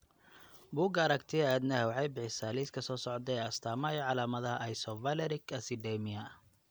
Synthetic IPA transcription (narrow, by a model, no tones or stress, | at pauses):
buːɡɐɾɐkt̪ʰɪɛːd̪nɐhɛwɑħɑjbɪħɪsaːliːskʰɐsɔːsɔʕɔd̪ɛɛːɐst̪ʰaːmaːjɔʕɑlaːmɐðɐɦɐʔɐjsɔvɐlɛɾɪkɐsɪɖɛmɪɐ